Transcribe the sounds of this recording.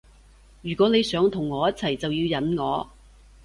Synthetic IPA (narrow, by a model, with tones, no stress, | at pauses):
jyː˨˩kʷɔː˨˥ne˨˧jsœː˨˥ŋt̪ʰʊ˨˩ŋːɔː˨˧jɐ˥t̚t͡sʰɐ˨˩jt͡sɐ˨wjiː˧wjɐ˨˥nŋɔː˨˧